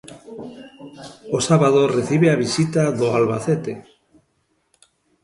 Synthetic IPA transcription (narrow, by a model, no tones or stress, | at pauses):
osaβaðoreθiβeaβisit̪aðoalβaθet̪e